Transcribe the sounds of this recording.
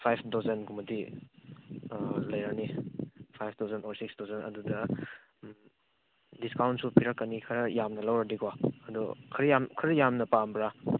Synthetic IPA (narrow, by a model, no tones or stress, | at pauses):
pʰajpʰdɔzenkumɐdi | lɐjɾanipʰajpʰdʰawzenoɾsiksdozenɐ̰dudɐ | diskawntsupʰiɾɐkːɐnikʰɐɾɐjamnɐlɐwɾɐdikwaɐdɔ̰kʰɐɾijamkʰɐɾɐjamnɐpambɾa